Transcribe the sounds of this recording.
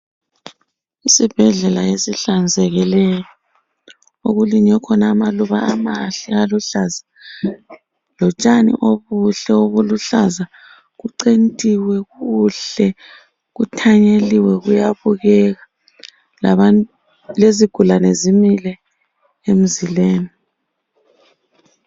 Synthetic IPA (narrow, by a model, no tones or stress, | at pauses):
isib̥ʱɛɮɛlaesiɬand͡zʱɛɣilɛjɔ | oɣuliɲɛkʰɔnaːmaluβa̰amaɬialuɬaza | lɔt͡ʃʼanḭʔoβuɬɛoβuluɬaza | ɣuǀentʼiwɛɣuɬɛ | ɣutʰaɲeliwɛɣujaβuɣɛɣa | laa | leziɡ̥ʱulanezimilɛ | em̩zileːni